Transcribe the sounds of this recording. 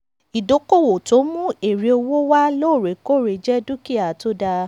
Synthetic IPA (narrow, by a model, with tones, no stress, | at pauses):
i˨do˨˦ko˦˨wo˨to˨˦mũ˦e˨ɾe˨˧o˧wo˦wa˦lo˦˨ɾe˨ko˦˨ɾe˨d͡ʒɛ˦du˦ki˦a˨to˦da˧